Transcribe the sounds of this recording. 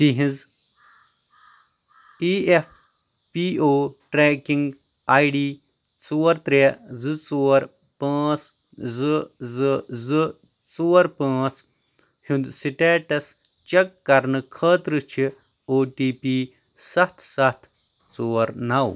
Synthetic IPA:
t̪iɦĩz | iːep̚ʰ | piːoːʈɾeːkiŋɡ | aːjɖiː | t͡suːɐɾt̪ɾezɨt͡suːɐɾ | pãːt͡s | zɨzɨzɨ | t͡suːɐɾpãːt͡s | hund̪siʈeːʈɐs | t͡ʃɐkːɐɾnɨkʰɐːt̪ɾɨt͡ʃʰi | oːʈiːpiː | sɐt̪ʰsɐt̪ʰ | t͡soːɐɾnɐw

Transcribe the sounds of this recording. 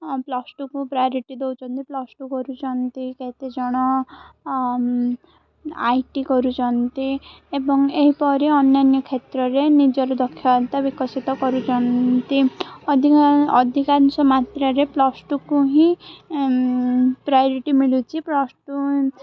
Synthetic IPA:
plɔsʈukupɾajɔɾiʈid̪ewt͡ʃʰɔnt̪iplɔsʈukɔɾut͡ʃʰɔnt̪iket̪ed͡ʒɔɽ̃ɔ | ajʈikɔɾut͡ʃʰɔnt̪i | ebɔŋeɦipɔɾiɔnjanjɔkʰet̪ɾɔɾenid͡ʒɔɾud̪ɔkʰːjɔnt̪abikɔsit̪ɔkɔɾut͡ʃʰɔnt̪iɔd̪ʱiɔd̪ʱikansɔmat̪ɾɔɾeplɔsʈukuɦĩ | pɾajɔɾiʈimiɭut͡ʃʰiplɔsʈu

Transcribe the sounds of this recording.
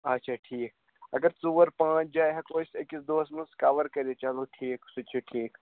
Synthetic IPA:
ɐtːʃʰaːʈʰiːk̚ | ɐɡəɾsuʋəɾpãːt͡ʃʰd͡ʒaːjɦɛkoːsekːisd̪oːsmɐnskaʋəɾkɐɾit͡ʃɐloʈʰiːksut͡ʃʰeʈʰiːk

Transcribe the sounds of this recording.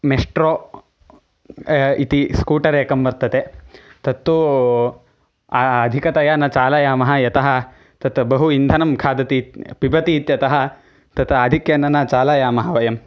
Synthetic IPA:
mesʈɾoː | it̪iskuːʈɐɾeːkɐmʋɐɾt̪ːɐt̪et̪ɐt̪ːu | aɐd̪ʱikɐt̪ɐjaːnɐt͡ʃaːlɐjaːmɐɦɐ̆jɐt̪ɐɦɐ̆ | t̪ɐt̪bɐɦuind̪ʱɐnɐmkʰaːd̪ɐt̪it̪pibɐt̪iːt̪jɐt̪ɐɦɐ̆ | t̪ɐt̪ad̪ʱikjɐnɐnɐt͡ʃaːlɐjaːmɐɦɐʋɐjɐm

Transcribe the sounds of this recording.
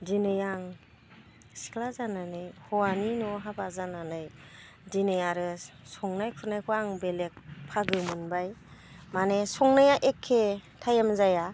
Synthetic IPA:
dinɯjaŋ | si̥kʰlazananɯjhɔwaninɔɦabazananɯj | dinɯjaɾɯsɔŋnajkʰɯɾnajkʰɔaŋbelek̚pʰaɡɯmɯnbaj | manesɔŋnajaʔekʰːetʰajamzaja

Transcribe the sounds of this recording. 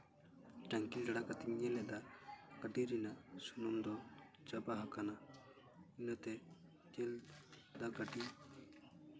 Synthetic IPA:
ʈaŋkild͡ʒaɽakat̪iɲɲɛlɛd̪akəɖiɾinasunɔmd̪ɔ | t͡ʃabaɦakana | inət̪ɛ | t͡ʃɛld̪akəɖi

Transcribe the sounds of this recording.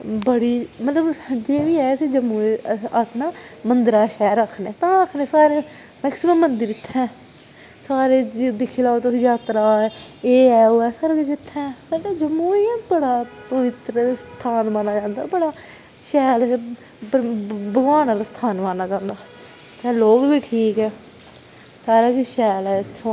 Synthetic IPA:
bəɽiːmət̪ləbd͡ʒeːʋiːɛːsed͡ʒəmuːəsnaːmənd̪əɾaːʃɛːɾəkʰːneːt̪ãːəkʰneːsaːɾeː | məksəb̪ənmənd̪əɾɪt̪ʰːɛ̃ː | saːɾeːd̪ɪkʰilaːot̪ojaːt̪ɾaːeːɛːoːɛːsəɾɡd͡ʒɪt̪ʰːɛ̃ːsaːɖaːd͡ʒəmːuːiãbəɽaːpəʋɪt̪ɾəst̪ʰaːnmaːnaːd͡ʒãːnd̪a̰ːbəɽaː | ʃɛːl | bəɡʋaːnãːlast̪ʰaːnmãːnaːd͡ʒãːnd̪aː | t̪ɛ̃ːloːkʋiːʈʰiːkɦɛː | saːɾaːɡiːʃɛːlɛːst̪ʰõ

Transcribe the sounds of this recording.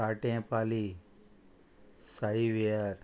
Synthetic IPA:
aːʈeãpaːli | saiʋiaɾ

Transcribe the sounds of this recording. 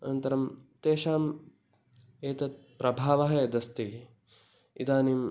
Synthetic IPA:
ɐnɐnt̪ɐɾɐmt̪eːʃaːm | eːt̪ɐt̪̚pɾɐbʱaːʋɐɦɐd̪ɐst̪i | id̪aːniːm

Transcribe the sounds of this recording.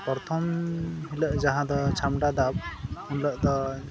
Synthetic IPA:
pɔɾt̪ʰɔmɦiləʔd͡ʒaɦãd̪ɔt͡ʃʰamɖad̪ap̚hunləʔd̪ɔ

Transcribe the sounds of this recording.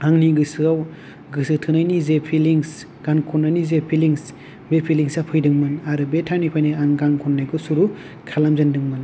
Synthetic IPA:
aŋniɡɯsɯaw | ɡɯsɯtʰɯnajnizepʰiliŋs | ɡ̥ankʰɔnːajnizepʰiliŋs | bepʰiliŋsapʰɯjdɯŋmɯnaɾɯbetʰawnipʰajnaaŋɡaŋkʰɔnːajɡʰɯsuɾu | kʰalamzɯndɯŋmɯn

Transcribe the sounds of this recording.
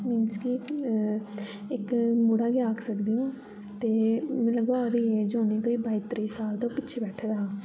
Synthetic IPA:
minski | ɪkmuːɽaːɡɪjaːksəkd̪iõː | t̪eːmɛ̃ləɡaɾiːeːd͡ʒoːniːkoːiːbaːit̪ɾiːsaːlt̪õːpɪtːt͡ʃʰeːbɛːʈʰed̪aː

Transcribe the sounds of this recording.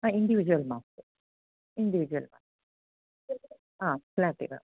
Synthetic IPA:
aːiɳɖiʋid͡ʒuʋɐlmaːstɨ | iɳɖiʋid͡ʒuʋɐlma̰ːs | ãːklaːʈḭka̰

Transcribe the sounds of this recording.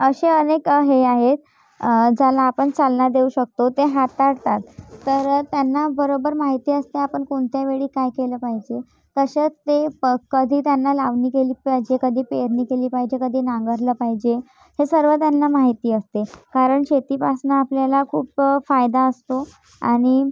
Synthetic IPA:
əɕeənekɦeaɦet̪ | d͡zalaːpəɳt͡salnad̪euɕək̚t̪ot̪eɦat̪ːaɽt̪at̪ːəɾt̪janːabəɾobəɾmaɦit̪iːəst̪eapəɳkoɳt̪jaʋeɭiːkajkeləːpaɦid͡ʑe | kəɕet͡st̪ekəd̪ʱiːt̪janːalaʋniːkeliːpaid͡ʑekəd̪ʱiːpeɾniːkeliːpaɦid͡ʑekəd̪ʱiːnãŋɡəɾləːpaɦid͡ʑe | hesəɾʋət̪janːamaɦit̪iːəst̪ekaɾəɳɕet̪iːpasnaːpljalakʰuːpfajd̪aəst̪o | a̰ɽ̃i

